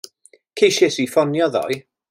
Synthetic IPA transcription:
kʰejʃesifɔnjɔðɔ̰ɨ

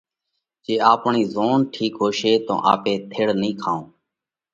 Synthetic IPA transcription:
t͡ʃeːaːpɳiːzoːnʈʰiːkɦoːʃeːt̪õ̰ːʔa̰ːpẽːt̪ʰeːɽnĩːkʰaːõː

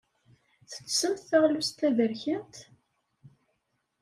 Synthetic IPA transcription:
θə̥t͡sːsəmt̪θæʁlust̪ːæðəɾçənt̪

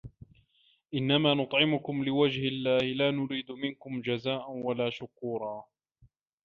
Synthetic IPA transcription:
ʔɪnːamaːnʊt̪ˤʕɪmʊkʊmlɪwad͡ʒhalːaːhɪlaːnʊɾiːd̪ʊmɪnkʊmd͡ʒazaːʔanwalaːʃʊkuːɾˤɑː

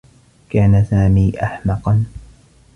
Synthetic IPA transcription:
kaːnasaːmiːʔaħmɑqɑn

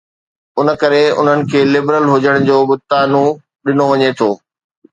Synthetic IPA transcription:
ʊnə̆kɐɾeʊ̰n̤ənɪ̆kʰeːlɪbɾəlɦʊd͡ʑəɽ̃d͡ʑoːbʊt̪aːnũ | ɗɪnoʋɐɲet̪ʰoː

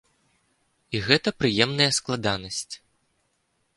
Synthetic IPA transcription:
iɣɛt̪ɐpɾɨjɛmnɐjɐsklˠad̪anɐsʲt͡sʲ

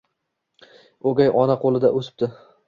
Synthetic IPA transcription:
oɡʲajʔɒnaqʰolˠɪd̪aʔosɪ̥p̚d̪ɪ

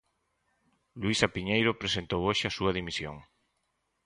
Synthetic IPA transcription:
lwisapiɲejɾʊpɾesent̪owoʃɪasuɐð̞imisjo̰ŋ

